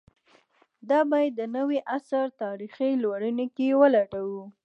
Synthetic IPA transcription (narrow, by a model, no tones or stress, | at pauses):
d̪ɑbɑjd̪ːənəweʔasaɾt̪ɑɾixilwaɽənekewəlaʈawu